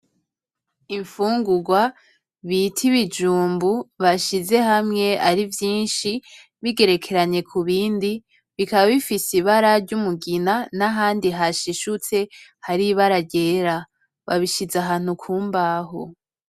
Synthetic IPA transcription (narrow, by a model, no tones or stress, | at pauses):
iɱfuːŋɡuɡwa | βitʰiβid͡ʒuːmbuβaʃize̞hamŋe̞aɾivjiːnʃi | βiɡe̞ɾe̞kʰe̞ɾaɲe̞kʰuβiːndi | βikaβaβifisiβaɾaɾɟumuɡinanaɦaːndiɦaʃiʃut͡se̞haɾiβaɾaɟe̞ːɾa | βa̰βiʃizaɦaːn̥hukʰuːmbaɦo